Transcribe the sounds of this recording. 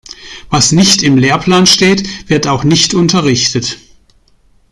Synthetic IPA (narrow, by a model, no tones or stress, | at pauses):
vasnɪçtɪmleːɐpʰl̥aːnʃteːtv̥ɪɐtaʊxnɪçtʊntɐʁɪçtət